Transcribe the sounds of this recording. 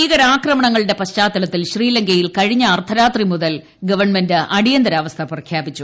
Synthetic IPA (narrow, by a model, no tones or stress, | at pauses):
iːɣɐɾaːkrɐmɐɳɐŋːɐɭɨɽe̞pɐɕt͡ɕaːt̪ːɐlɐt̪ːilɕriːlɐŋɡɐjilkɐɻiɲːɐːrt̪ʰɐɾaːt̪rimuðɐl | ɡɐʋɐrɳmendɨʔɐɽijɐnd̪ɐɾaːʋɐst̪ʰɐprɐkʰjaːpit͡ɕːu